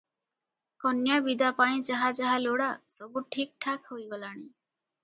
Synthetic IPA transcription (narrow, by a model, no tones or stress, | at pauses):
kɔnjabid̪apaĩd͡ʒaɦad͡ʒaɦaloɽasʌbuʈʰik̚ʈʰakʰɦojɡʌlaɽ̃i